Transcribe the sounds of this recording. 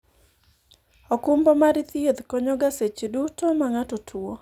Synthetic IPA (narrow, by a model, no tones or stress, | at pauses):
ɔkumbɔmaɾit̪jed̪kɔɲɔɡaset͡ʃedutomaŋatotʰwo